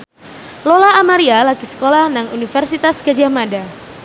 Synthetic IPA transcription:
lolaːmaɾialakisə̥kolahnaŋunifərsit̪askəd͡ʒamada

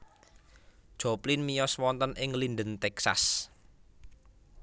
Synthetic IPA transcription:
d̥ʒ̥ɔplinmijɔswɔnt̪ənɪŋlinɖənt̪ɛksa̰s

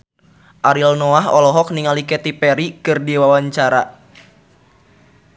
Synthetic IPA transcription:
ʔaɾilnɔaɦɔlɔɦɔk̚niŋalikɛt̪ipɛɾikɨrdiwawaɲt͡ʃaɾa

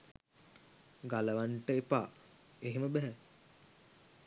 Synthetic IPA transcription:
ɡaləʋaɳʈəepa̰ː | eɦeməbɛɦɛ

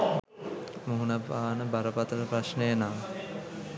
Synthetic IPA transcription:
muɦunabaːnəbaɾəpat̪əɾəpɾasnəjənaː

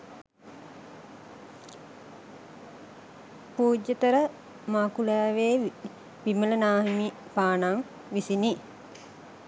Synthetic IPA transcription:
puːd͡ʒːət̪əɾə | maːkulaːʋeː | ʋimələnaːɦimipaːnaŋ | ʋisini

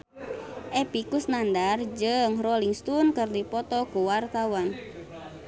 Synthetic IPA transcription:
ʔɛpikusnandard͡ʒɨŋrɔliŋst̪unkɨrdipɔt̪ɔkuwart̪awan

